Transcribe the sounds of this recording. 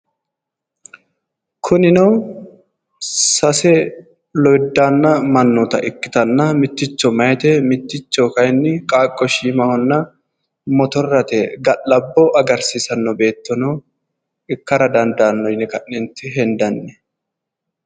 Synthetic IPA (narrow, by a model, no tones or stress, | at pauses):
kʰʊnɪnɐw | sɐsɛ | lɔjd̪ːaːnːɐmɐnːɔt̪ɐ̰ʔɪkːɪ̥t̪ɐnːɐmɪt̪ːɪt͡ʃːɔmɐjɛt̪ɛmɪt̪ːɪt͡ʃːɔkɐjnːɪkʼaːkʼːɔʃiːmɐhɔnːɐ | mɔt̪ɔrːɐt̪ɛɡɐʔːɐbːɔʔɐɡɐɾsɪsɐnːɔbe̞ːt̪ːɔnɔ | ɪkːɐɾɐd̪ɐnd̪aːnːɔjnɪkɐʔɪnt̪ːɪɦɛnd̪ɐnːɛ